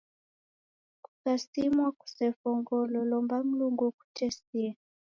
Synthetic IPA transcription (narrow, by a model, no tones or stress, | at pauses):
ku̥sasimwaku̥sɛfɔŋɡɔlɔlɔmbam̩luŋɡuku̥t͡ʃɛsia